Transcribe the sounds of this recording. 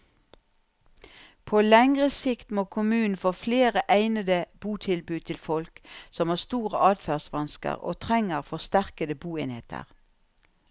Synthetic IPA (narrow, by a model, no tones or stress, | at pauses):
pʰoːlɛŋʁəsɪkt̪moːkʰʊmʉːn̩foːfleːʁəʔæɪnəd̪əb̥uːt̪ʰɪlbʉːt̪ʰɪlfɔlksɔmhɑːʁst̪uːʁəʔɑːd̪fæːʁsʋɑnskə̰ʁo̰ːt̪ʰʁɛŋəʁfɔʁst̪æʁkəd̪əbuːeːnhḛːt̪ʰə̰ʁ